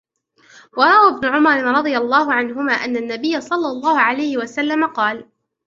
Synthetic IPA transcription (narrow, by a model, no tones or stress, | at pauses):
wɑɾˤɑʔwabnʊʕʊmɑɾˤɪɾˤɑd̪ˤɨjalˤːɑːɦʊʕanɦʊmaːʔanːanːabɪjːasˤɑlːɑlˤːɑːhʊʕalajhɪwasalːamaqɑːl